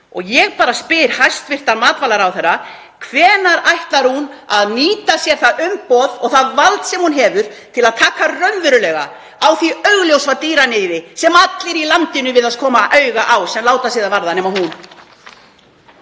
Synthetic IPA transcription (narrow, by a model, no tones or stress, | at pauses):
ɔɣjɛɣpaːɾaspɪɾ̥hajst̪vɪr̥t̪anmaːt̪valaɾawθɛrːa | kʰvɛːnaɾajht̪laɾ̥hunaðniːt̪asjɛɾ̥θaðʏmpɔðɔɣθaðvalt̪sɛmhunɦɛːvʏɾ̥t̪ʰɪlaðt̪ʰaːkarœnvʏɾʏlɛɣa̰ | awθiœɥɣljowsvat̪iːɾanɪːðɪsɛmat̪lɪɾilant̪ɪnʏvɪðaðkʰɔːmaʔœɥɣaʔawsɛmlaːwt̪asiːðavaɾðanɛːmaɦun